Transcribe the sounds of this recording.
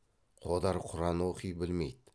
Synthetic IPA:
qʰod̪ɑɾqʰʊɾɑnoqʰijbɪlmejd̪ɪ

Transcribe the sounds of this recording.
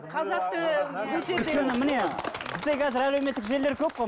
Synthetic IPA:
qʰɑd̪ɑt̪əkeekʲenɪmɪnebɪzd̪e̞kʰʲæzɪɾæleme̞t̪ːɪkʒe̞le̞ɾkʲʰɵp̚qoj

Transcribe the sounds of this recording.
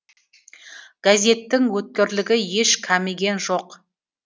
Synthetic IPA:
ɡ̥azʲe̞t̪ːɪŋwɵt̪̚kʲeɾlɪɡʲɪje̞ʃkʲʰæmeɡʲe̞nʒoq

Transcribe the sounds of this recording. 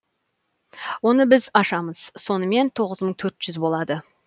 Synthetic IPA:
wo̞nəbɪzɑʃɑməz̥so̞nəme̞nt̪ʰo̞ʁəzməɴt̪ʰɵɾt̪ʒ̥ʏzbo̞lˠɑd̪ə

